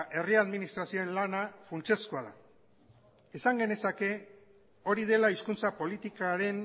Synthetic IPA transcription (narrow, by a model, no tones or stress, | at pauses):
ʔe̞riaðminist̪ɾasio̞enlanafunt͡ʃe̞skoaða | e̞saŋɡe̞ne̞sake̞ | o̞ɾið̞e̞laiskunt͡sapo̞lit̪ikaɾe̞n